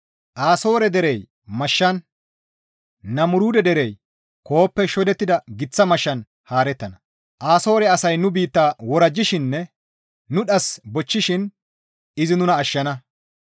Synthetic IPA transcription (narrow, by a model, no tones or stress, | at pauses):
ʔaːso̞ːɾɛd̪ɛɾɛj | mɐʃːɐn | ɐmʊɾuːd̪ɛd̪ɛɾɛj | ko̞ːpːɛʃɔd̪ɛt̪ːɪd̪ɐɡɪt͡sːɐmɐʃːɐn | haːɾɛt̪ːɐnɐ | ʔaːso̞ːɾɛɐsɐjnʊbiːt̪ːaːwɔɾɐd͡ʒːɪʃɪnːɛː | ʊɗɐsbɔt͡ʃːɪʃɪn | ɪzɪnʊnɐːʃːɐnɐ